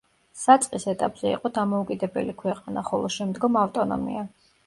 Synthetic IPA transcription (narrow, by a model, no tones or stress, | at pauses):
sat̪sʼqʼisɛt̪ʼapʼz̥ɛḭqʼɔd̪amɔukʼid̪ɛbɛ̰likʰwɛqʼanaχɔlˠɔʃɛmd̪ɡɔmaft̪ʼɔnɔ̰mḭa